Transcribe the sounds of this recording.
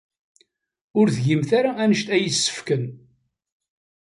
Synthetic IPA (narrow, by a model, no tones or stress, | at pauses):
ʊɾθʝimθaɾaænəʃt̪æjəsːə̥fkən